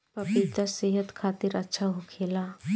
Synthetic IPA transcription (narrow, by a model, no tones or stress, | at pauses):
pɐbɪt̪əseːɦət̪kʰaːt̪ɪɾɐtːʃʰaɦokʰeːlaː